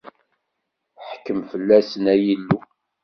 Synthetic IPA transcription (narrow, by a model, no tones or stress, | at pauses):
ħkːəmfəlːæsənæjilːu